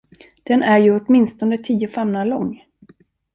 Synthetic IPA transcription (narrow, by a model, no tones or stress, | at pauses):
d̪̥ɛnæɾjɵɔt̪mɪnst̪ɔnət̪ʰiːʊfɛmnalɔŋː